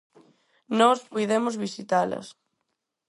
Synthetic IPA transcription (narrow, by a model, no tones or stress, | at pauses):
nɔspujðemozβisit̪alɐ̰s